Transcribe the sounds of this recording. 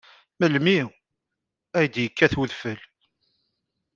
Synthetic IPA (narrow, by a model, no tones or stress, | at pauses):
məlmi | æjəd̪jəkːæθuðfəl